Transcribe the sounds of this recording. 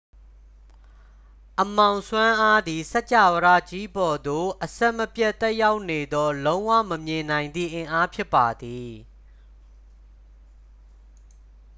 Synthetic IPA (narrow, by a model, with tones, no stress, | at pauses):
ʔəmã˨ʊ̃sʰwã˦ʔa˦d̪i˨sɛ˦t͡ɕa̰˦˨wəɾä̰˦˨t͡ɕi˦bɔ˨d̪o˨ʔəsɛ˦ʔməpjɛ˦ʔt̪ɛ˦ʔja˦ʊʔne˨d̪ɔ˦lõ˦ʊ̃wä̰˦˨məmjɪ̃˨nã˨ɪ̃nd̪ðḭ˦˨ʔɪ̃˨ʔa˦pʰjɪ˦pːa˨d̪i˨